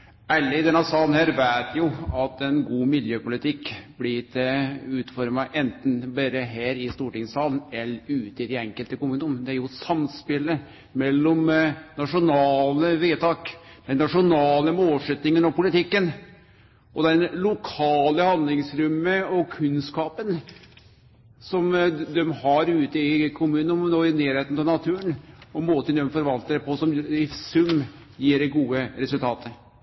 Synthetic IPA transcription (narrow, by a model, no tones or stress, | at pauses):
ɛlːəɾɪd̪ɛnɑsɑːlnhæːɾʋæɪt̪jʊɑt̪ɛnɡuːmɪljøːpʊlɪt̪ʰɪkːblɪt̪ʉːt̪fɔɾmɑʔɛnt̪n̩beːɾəɦæːɾɪst̪uːʈɪŋsɑːlnɛlːɾʉːt̪əɪd̪ɪɛŋkəlt̪əkʊmʉnʊnd̪ɛæɾjʊsɑmspɪlːə | mɛlːɔmnɑʂʊnɑːləʋeːt̪ʰɑːkd̪̥ɛnːɑʂʊnɑːləmoːlsɛt̪nɪŋənɔpʊlɪt̪ɪkːən | ʔɔd̪ɛnlʊkʰɑːləhɑnd̪lɪŋsɾʉmːəɔkʰʉnskɑːpən | sɔmd̪ɛmhɑɾʉːt̪əɪkʰʊmʉːnənnɔɪneːɾheːt̪ənp̪ʰɔnɑt̪ʰʉːənɔmoːt̪ɪld̪ɛmfɔɾʋɑlt̪əɾɛpɔsɔmɪfsʉm | jiːɖɛɡuːəɾɛsʉlt̪ʰɑːt̪ʰəɾ